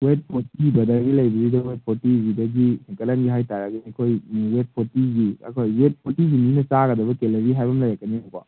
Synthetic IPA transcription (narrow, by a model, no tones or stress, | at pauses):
wet̚pʰotibɐdɐɾɡilɐjbizidɐwet̚pʰotiɡidɐɡisiŋkɐlɐnɡiɦajtaɾaɡɐnikʰojwep̚pʰotiɡiɐ̰kʰojwep̚pʰotiɡininɐt͡ʃaɡɐdɐbɐkelɐɾiɦajbɐmlajɾakːɐnioka̰